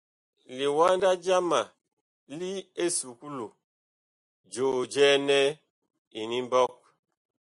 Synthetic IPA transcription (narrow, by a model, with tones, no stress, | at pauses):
li˨wa˦nda˦d͡ʒa˦ma˨ | li˦e˦su˨ku˦lo˨ | d͡ʒo˨d͡ʒɛ˦nɛ˦ | i˨ni˦mbɔ˦k̚